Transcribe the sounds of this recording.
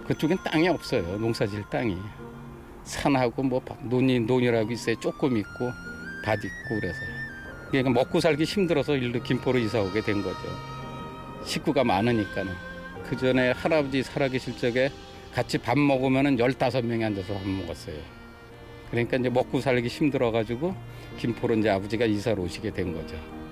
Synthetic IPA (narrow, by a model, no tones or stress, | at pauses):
kɯt͡ɕ͈oɡent͈a̰ŋiʌp̚s͈ʌjonoŋsʰad͡ʑiɭt͈aŋi | sʰanɦaɡomwʌpanoɲinoɲiɾaɡois͈ʌet͡ɕ͈ok͈ɯmik̚k͈opadik̚k͈okiɾesʰʌ | kɯɾɲik͈amʌk͈usʰaɭɡiɕʰimdɯɾʌsʰʌiɭdukimpʰoɾɯis̬ʰaɦoɡe̞dwe̞nɡʌdḛjo̰ | ɕʰik͈uɡamanɯɲik͈anɯn | kɯd͡ʑʌne̞haɾabʌd͡ʑisʰaɾaɡiɕʰiɭt͡ɕ͈ʌɡe̞ | kat͡ɕʰipanmʌɡɯmjʌnɯnjʌɭt͈asʰʌmjʌŋiɦand͡ʑʌsʰʌpanmʌɡa̰s͈ʌjo | kɯɾʌɲik͈aind͡ʑe̞mʌk͈usʰaɭɡiɕʰimdɯɾʌɣad͡ʑiɡo | kimpʰoɾoind͡ʑeabʌd͡ʑiɡaisʰaɾoɕʰiɡe̞dwe̞nɡʌd͡ʑo